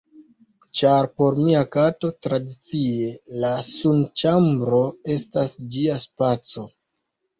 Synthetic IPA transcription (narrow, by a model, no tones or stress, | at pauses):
t͡ʃaɾpo̞ɾmiakato̞tɾadit͡sie̞lasunt͡ʃambɾo̞e̞stasd͡ʒiaspat͡so̞